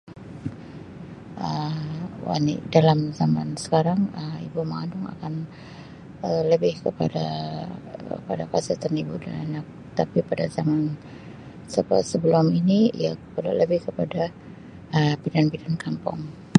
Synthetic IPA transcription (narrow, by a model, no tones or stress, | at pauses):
ʔə | wa̰nḭdalamzamansə̥kaɾaŋəḭbumaandʊŋa̰kan | ələbɪhkəpa̰da̰ | əpadapasət̪anibuda̰na̰nak̚ | t̪apipadazaman | səsəbəluʊminiḭja̰pəla̰ləbɪhkəpada | əpidanpidankampʊ̰ŋ